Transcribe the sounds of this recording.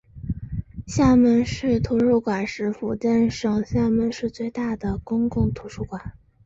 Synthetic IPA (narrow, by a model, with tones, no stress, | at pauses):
ɕja˥˩mə˥˧nʂɻ̩˥˩t̪ʰu˧˥ʂu˥˩kwa˨˩nʂɻ̩˧˥fu˨˩t͡ɕɛ˥˩nʂɤ˨˩ŋɕja˥˧mə˧nʂɻ̩˥˧t͡swe˥˧ɪt̪a˥˩d̪ə˩kʊ˥ŋkʊ˥˩ŋt̪ʰu˧˥ʂu˥˩kwa˨˩˦n